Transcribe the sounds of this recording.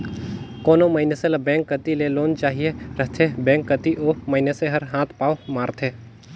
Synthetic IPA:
koːnomɐɪneselɐbɛ̃ːŋkːət̪ileloːnt͡ʃaːɦieɾəɦt̪ʰebɛ̃ːŋkːət̪iʔoːmɐɪneseɦɐɾɦãːt̪ʰpaːomaːɾt̪ʰeː

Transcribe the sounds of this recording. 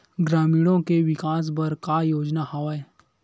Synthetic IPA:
ɡɾaːmiːɽõkeʋɪkaːs̬bɐɾkajoːd͡ʒnahaʋae

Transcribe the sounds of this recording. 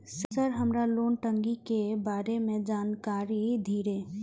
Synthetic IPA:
ssəɾɦəmɾaloːnʈə̃ŋɡikebaːɾemẽd͡ʒaːnkaːɾid̪ʱiːɾe

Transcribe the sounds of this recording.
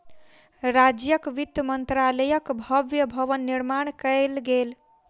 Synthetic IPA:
ɾad͡ʒjəkʋit̪ːəmənt̪ɾaləjəkbʱəʋjəbʱəʋənːiɾmaɳkəjlɡel

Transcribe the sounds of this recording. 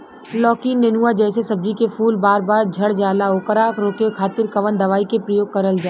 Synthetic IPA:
lɔːkiːnːenuad͡ʒɛːsesɐb̚d͡ʒikefʰuːlbaːɾbaːɾd͡ʒʱɐɽd͡ʒaːlaoːkəɾaːkɾoːkekʰaːt̪ɪɾkɐʋənd̪ɐʋaːikepɾɐjoːɡ̚kɐɾəld͡ʒaː

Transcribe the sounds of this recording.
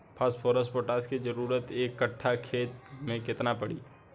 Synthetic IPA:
pʰaːsʈpʰoːɾəspoːʈaːskid͡ʒəɾuːɾət̪eːkːəʈʰːakʰeːt̪mẽkɪt̪napəɽ̤iː

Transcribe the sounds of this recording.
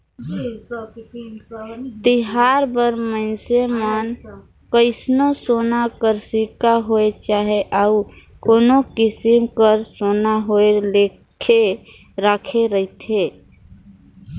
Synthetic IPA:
t̪iɦaɾbəɾməɪnsemən | kəɪsnosonakəɾsikaɦoet͡ʃaɦeʔau | konokisimkəɾsonaɦoele | kʰe | ɾakʰeɾəit̪ʰe

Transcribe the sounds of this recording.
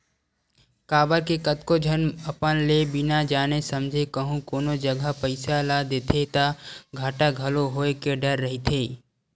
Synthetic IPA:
kaːbəɾkekət̪kod͡ʒʱənəpənlebɪnad͡ʒaːnesəmd͡ʒʱekəɦũkoːnod͡ʒəɡʱapəɪsalad̪eːt̪ʰet̪aɡʱaːʈaɡʱɐloɦoːekeɖəɾːəɦit̪ʰeː

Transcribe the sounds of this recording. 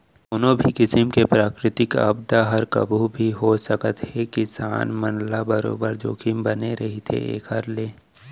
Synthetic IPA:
ʊnõbʱikɪsəmkepɾaːkɾɪt̪ɪka̰bd̪aɦɐɾkɐ̰bʱubʱiɦosɐkət̪hɛkisa̰ːnmənlabɐɾo̰ːbəɾd͡ʒoːkimbɐneɾɐɦit̪ʰḛḛːkəɾleː

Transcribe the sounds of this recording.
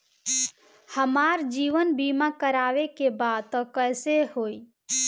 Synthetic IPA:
həmaɾd͡ʒiʋənbimakəɾaʋekebad̪t̪ɔkəjsehoi

